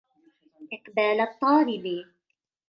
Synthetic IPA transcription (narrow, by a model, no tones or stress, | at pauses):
ʔɪqbaːlɑt̪ˤːɑːɾɪbi